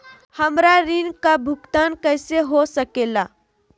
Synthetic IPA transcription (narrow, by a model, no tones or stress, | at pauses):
həmɾaɾɪnkabʱʊkt̪aːnkəːseɦosəkeːlaː